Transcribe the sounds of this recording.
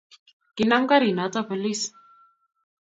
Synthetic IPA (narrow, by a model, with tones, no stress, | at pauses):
ki˨na˦ŋ˦ka˦ɾi˨na˨˦t͡sa˦pə˨li˦s